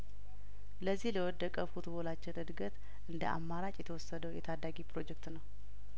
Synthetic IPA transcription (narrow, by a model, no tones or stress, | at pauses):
ləzːihləwɔd̪ːəkʼəfut̪bolat͡ʃːɪnʔɨd̪ɡət̪ | ʔɨnd̪ə̰ʔa̰mːaɾat͡ʃʼjɛt̪ʰəwɔsːəd̪əwjɛt̪ʰad̪aɡipɾo̞d͡ʒɛkt̪nəw